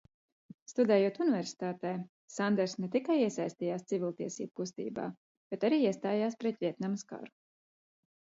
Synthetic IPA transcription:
st̪ud̪ɛːjuɔt̪univɛɾsi̥t̪aːt̪ɛj | sand̪ɛɾsnɛt̪ikajiɛsajsʲt̪iːjaːst̪sivʲilˠʲt̪iɛsḭːbukust̪ḭːba̰ː | b̥ɛt̪aɾiːiɛst̪aːjaːspɾɛt̪vʲiɛt̪namska̰ɾu̥

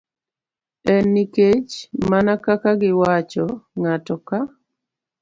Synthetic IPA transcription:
ɛnːiket͡ʃmanakakaɡɪwat͡ʃɔŋatɔka

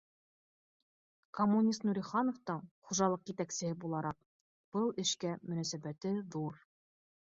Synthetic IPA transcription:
komːunʲist̪nuɾʲiχɑnoft̪ɤɴχuʒɑlˠɤqjit̪æksɘ̆hɘbulˠɑɾɑq̚ | b̥ɤlˠɘ̆ʃkæmɵ̆næsæbæt̪ɘðuɾ

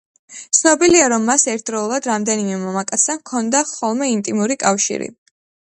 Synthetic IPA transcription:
t̪sʰnɔbiliaɾɔmːasɛɾt̪̚ʰd̪ɾɔulˠad̪ɾamd̪ɛnimɛmɔmakʼat̪sʰɛmkʰɔnd̪aχɔlˠmɛint̪ʼimuɾikʼafʃḭɾḭ

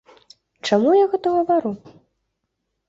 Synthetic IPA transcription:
t͡ʂamujaɣɛt̪ɐɣɐvaɾu

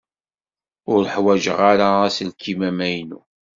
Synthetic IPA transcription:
ʊɾəħwæʒəʁaɾaæsəlkʰimæmæjnṵ

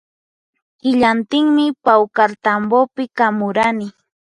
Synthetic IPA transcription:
hɪʎant̪ɪŋmɪpawkaɾt̪ambopɪkamʊɾanɪ

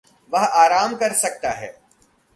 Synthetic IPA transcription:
ʋɐɦaːɾaːmkɐɾsɐk̚t̪aɦɛː

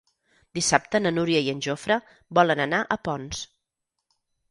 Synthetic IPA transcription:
d̪isap̚t̪ənənuɾiəiənʲʒofɾə | bɔlənənaʔəpɔns

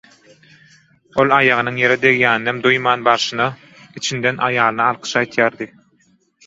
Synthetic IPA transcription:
o̞lˠɑjɑʁɯnɯŋje̞ɾed̪e̞ɣjæːnːemd̪ujmɑːnbɑɾʃɯnɑ | it͡ʃʰind̪enʔɑjɑːlˠɯnɑɑlˠqʰɯ̥ʃɑjt̪ʰjɑːɾd̪ɯ

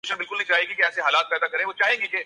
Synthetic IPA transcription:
ʃənbɪlkʊlnɐɦĩt͡ʃaːɦeɡikeɛːseɦaːlaːt̪̚pɛːd̪akɐɾẽːʋot͡ʃaːɦẽːŋɡeke

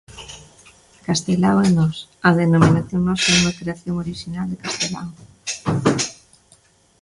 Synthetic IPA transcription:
kast̪elawenɔsɐðenominaθjoŋnɔsɛuŋɐkɾeaθjoŋoɾiʃinald̪ekast̪ela̰w

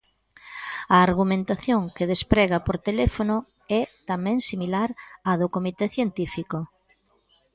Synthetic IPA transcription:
ɐːɾɣ̞umẽnt̪aθjoŋkeð̞espɾɛɣapoɾt̪elɛfonʊ | ɛt̪amɛ̃ŋsimilaɾaðʊkomit̪eθjent̪ifiko

